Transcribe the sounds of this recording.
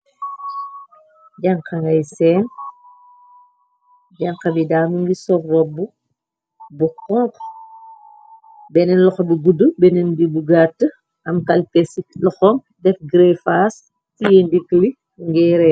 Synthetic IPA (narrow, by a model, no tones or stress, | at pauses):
ɟɐŋkɐŋɡɐjsɛːn | ɟɐŋqɐbidaːmuŋɡisɔrrɔbːu | bukɔŋk | bɛnɛnlɔxɐbiɡudubɛnɛndibuɡatə | ʔɐmkɐlpɛsilɔxɔm | dɛfɡɾɛfaːs | tijɛndikːli | ŋɡɛɾɛ